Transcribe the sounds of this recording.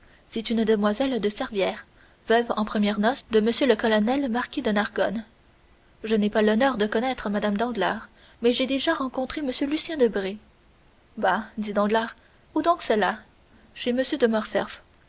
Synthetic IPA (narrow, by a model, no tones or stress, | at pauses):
sɛt̪ynd̪əmwazɛld̪əsɛʁvjɛːʁ | vœvɑ̃pχəmjɛʁnɔsd̪əməsjøləkɔlɔnɛlmaʁkʲid̪ənaʁɡɔn | ʒənɛpalɔnœːʁd̪əkɔnɛt̪χəmad̪amd̪ɑ̃ɡla̰ːʁ | mɛʒed̪eʒaʁɑ̃kɔ̃t̪χeməsjølysjɛ̃d̪əbʁe | bad̪id̪ɑ̃ɡlaʁ | ud̪ɔ̃ksəla | ʃeməsjød̪əmɔʁsɛ̰ʁf